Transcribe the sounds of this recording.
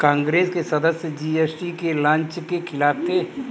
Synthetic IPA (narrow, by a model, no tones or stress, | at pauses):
kãːŋɡɾeːskesɐd̪əsjəd͡ʒiesʈikelãːɲt͡ʃkekʰɪlaːbt̪e